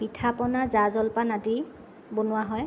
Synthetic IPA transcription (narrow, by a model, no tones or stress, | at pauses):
pitʰapɔnazazɔlpanati | bonʊwaɦɔj